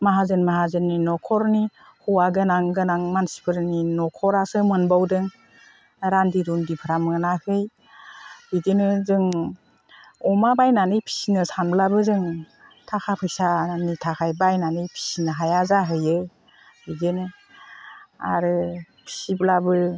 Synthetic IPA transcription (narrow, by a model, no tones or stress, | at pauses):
maɦazɯnmaɦazɯnːinɔkʰɔɾni | huwaɡɯnaŋɡɯnaŋmansi̥pʰɯɾninɔkʰɔɾasɯmɯnbawdɯŋ | ɾandiɾundipʰɯɾamɯnahɯj | hɯjdenɯzɯŋ | ɔmabajnanɯjpʰi̥sinɯsanblabɯzɯŋ | tʰakʰapʰɯjsanitʰakʰajbajnanɯjpʰi̥sinɯɦajazaɦɯjɯ | hɯjdenɯ | a̰ɾɯ | pʰi̥siblabɯ